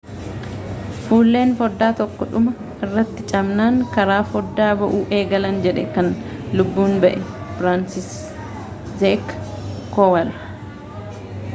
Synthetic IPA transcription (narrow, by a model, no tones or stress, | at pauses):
fuːlːe̞ːnfɔd̪ːaːt̪ɔkːɔᶑʊmɐ | ɪrːɐt̪ːɪt͡ʃʼɐmnaːŋkɐɾaːfɔd̪ːaːbɐʔuːʔe̞ːɡɐlɐnd͡ʒɛᶑɛkɐnlʊbːuːnbɐʔɛfɾaːnsɪs | zekː | ɔwɐlɐ